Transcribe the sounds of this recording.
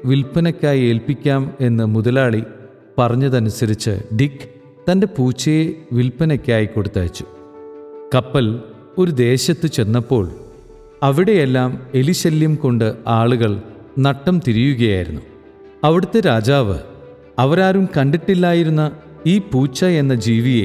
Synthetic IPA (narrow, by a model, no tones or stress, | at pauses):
ʋilpɐnɐkʲːaːjie̞ːlpikʲːaːme̞nːɨmuðɐlaːɭi | pɐrɐɲːɐðɐnusɐɾit͡ɕːɨ̰ɖikː | t̪ɐnde̞puːt͡ɕːɐjeʋilpɐnɐkʲːaːjikːo̞ɽut̪ːa̰ːt͡ɕːu̥ | kɐpːɐl | o̞ɾud̪e̞ːɕɐt̪ːɨt͡ɕe̞nːɐpːo̞ːɭ | ɐʋiɽe̞jelːaːme̞liɕɐljɐmko̞ɳɖɨaːɭuɣɐɭ | nɐʈːɐmt̪iɾijuɣɐja̰ːjḭɾṵnːu | ɐʋiɽɐt̪ːe̞ɾaːd͡ʑaːʋɨ̰ | ɐʋɐɾaːɾumkɐɳɖiʈːilːaːjiɾunːɐ | iːpuːt͡ɕːɐe̞nːɐd͡ʑiːʋijḛ